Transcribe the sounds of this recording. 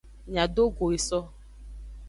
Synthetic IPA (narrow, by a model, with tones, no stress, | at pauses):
ɲã˨do˦ɡo˨i˨sɔ˦